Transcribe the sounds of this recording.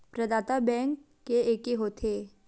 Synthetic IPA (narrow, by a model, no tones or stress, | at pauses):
pɾəd̪aːt̪abɛ̃ŋkː | eeːkeɦoːt̪ʰeː